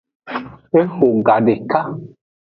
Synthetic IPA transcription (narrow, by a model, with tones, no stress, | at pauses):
e˦ho˨ŋ˨ɡa˨˦de˨ka˦